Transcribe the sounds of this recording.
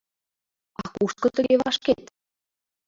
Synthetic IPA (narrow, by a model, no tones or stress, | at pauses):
ɑkuʃt̪̚kɤ̆t̪ə̆ɡeβɑʃket̪